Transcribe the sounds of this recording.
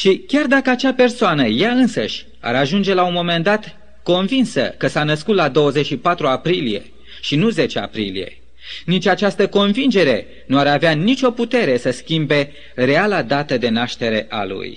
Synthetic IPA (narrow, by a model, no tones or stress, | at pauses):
ʃikʲard̪akəat͡ʃape̞rsoanəjaɨnsə̰ʃʲ | a̰ɾaʒund͡ʒe̞launmo̞me̞nd̪at̪ | ko̞nvinsə̰kəsanəskut̪lad̪o̞wəzet͡ʃʃipat̪ɾuapɾilije̞̰ | ʃinuze̞t͡ʃe̞a̰pɾilḭje̞̰ | nit͡ʃʲat͡ʃast̪əko̞nvind͡ʒe̞ɾe̞ | nuaɾaveanit͡ʃʲo̞put̪e̞ɾe̞səskʲimbe̞ | re̞alad̪at̪əd̪e̞naʃt̪e̞ɾe̞ʔa̰lṵj